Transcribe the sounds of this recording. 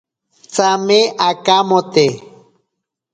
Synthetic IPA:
t͡sameʔakamot̪e

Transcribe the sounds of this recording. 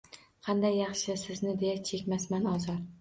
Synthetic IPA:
qʰɑnd̪ajːɑχʃɪsɪznɪd̪ejat͡ʃʰekʲmasmanɒzɒɾ

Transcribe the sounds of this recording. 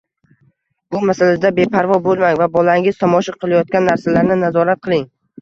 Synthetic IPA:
b̥ʊmasalasd̪abe̞pʰaɾvɒbolˠmaŋvabɒlˠaɪŋɪzt̪ʰɒmɒʃaqʰɨlˠajɒt̪̚kʲanːaɾsalaɾnɪnazɒɾat̪̚qʰɨlˠɪŋ

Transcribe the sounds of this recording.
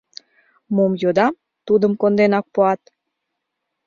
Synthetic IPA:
momjod̪ɑm | t̪ud̪əmkond̪enɑk̚poɑt̪̚

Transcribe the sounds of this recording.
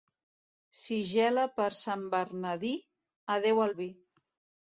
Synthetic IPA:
siʒɛləpəɾsambəɾnəði | əð̞ewəlˠβi

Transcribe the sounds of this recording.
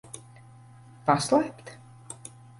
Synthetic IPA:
paslˠɛjpt̪

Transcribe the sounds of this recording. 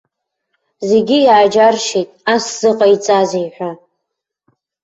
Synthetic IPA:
ze̞ɡʲijaːd͡ʒarʃijtʼasz̥ɨqʼait͡sʼazejħʷᶣa

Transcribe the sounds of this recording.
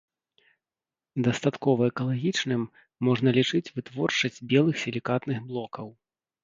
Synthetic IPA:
d̪ɐst̪at̪kɔvɐɛkɐlˠaɣʲit͡ʂnɨmː | ɔʐnɐlʲit͡ʂɨt͡sʲvɨt̪vɔrt͡ʂɐsʲd͡zʲbʲɛlˠɨxsʲɛlʲikat̪nɨɣblˠɔkɐw

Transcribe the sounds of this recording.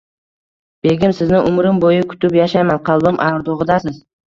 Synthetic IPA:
b̥e̞ɡʲɪmsɪznɪʔʊmɾɪmbojɪkʰʊ̥t̪ɪpjaʃajmanqʰɑlˠbɪmʔawɾd̪oʁɨd̪asɪz

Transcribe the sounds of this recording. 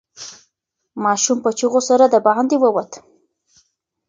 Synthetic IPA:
mɑʃumpət͡ʃiɣosaɾad̪əbaʕand̪ewəwat̪

